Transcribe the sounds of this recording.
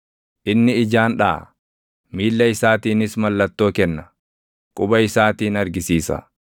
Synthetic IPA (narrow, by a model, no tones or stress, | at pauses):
ʔɪnːɪːd͡ʒaːnᶑa̰ː | miːlːɐɪsaːt̪iːnɪsmɐlːɐt̪ːo̞ːkɛnːɐ | kʼʊbɐɪsaːt̪iːnɐɾɡɪsiːsɐ̰